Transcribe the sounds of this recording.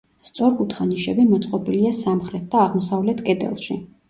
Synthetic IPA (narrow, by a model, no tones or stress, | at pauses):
st̪sʼɔɾkʼut̪ʰχaniʃɛbimɔt̪sʼqʼɔbiliasamχɾɛt̪̚ʰd̪aːʁmɔsavlɛt̪ʰkʼɛd̪ɛ̰lˠʃi